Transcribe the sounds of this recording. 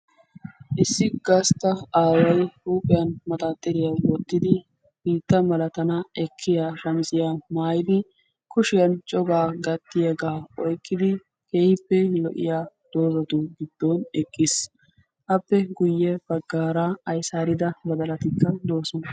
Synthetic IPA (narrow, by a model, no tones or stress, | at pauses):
ʔɪsːɪɡɐst̪ːɐaːwɐjɾuːpʼɛjɐnmɐt̪aːt̪ʼːɛɾɪjɐwɔt̪ːɪd̪ɪ | b̥iːt̪ːɐmɐlɐt̪ɐnɐɛkʰːɪjaːʃɐmsɪjaːmaːjɪd̪ɪ | kʊʃɪjɐnt͡ʃʼɔɡaːɡɐt̪ːɪjɛɡaːɔjkːɪd̪ɪ | keːjɪpːɛlɔʔɪ̰jaːd̪̥o̞ːzɐt̪ʊɡɪd̪̥ːoːnɛkʼːɪs | ʔɐpːɛɡʊjːɛbɐɡːaːɾaɐjsaːɾɪd̪ɐbɐd̪ɐlɐt̪ɪkːɐd̪o̞ːsɔnɐ